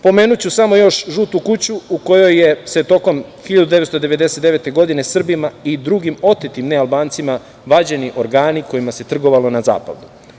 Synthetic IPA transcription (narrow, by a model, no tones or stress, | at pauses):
po̞me̞ːnut͡ɕusamo̞jo̞ʃʒuːt̪ukut͡ɕuuko̞jo̞jːese̞t̪o̞ko̞mxiʎad̪ud̪e̞ʋet̪od̪e̞ʋe̞d̪e̞set̪d̪e̞ʋe̞t̪e̞ɡo̞d̪ine̞sr̩bimaid̪ɾuɡimo̞t̪et̪imnealbaːnt̪sima | ʋad͡ʑe̞niʔo̞ɾɡaːniko̞jimase̞t̪r̩ɡo̞ʋalo̞naza̰ːpa̰ʋd̪u